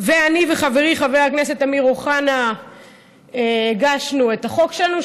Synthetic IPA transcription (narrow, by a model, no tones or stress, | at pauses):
veaniveχave̞ʁiχaveakne̞se̞tamiʁoχana | eɡaʃnue̞taχo̞kʃelanu